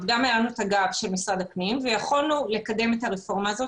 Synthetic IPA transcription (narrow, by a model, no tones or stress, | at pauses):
vɡamelanuet̪aɡabʃe̞lmisʁad̪aknimvejaχolnule̞kade̞metaʁefo̞ʁmaːzo̞